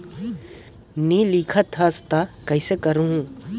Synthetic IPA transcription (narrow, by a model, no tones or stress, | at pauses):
niliːkʰət̪ʰːast̪akɐɪsekɐɾuɦũː